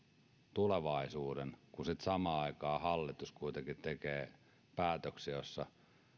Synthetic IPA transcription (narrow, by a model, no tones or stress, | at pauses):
t̪uleʋɑisuːdenkusit̪sɑmɑːɑikɑːhɑlːit̪uskuit̪eŋkit̪t̪ekeː | pæːt̪øksijosːɑ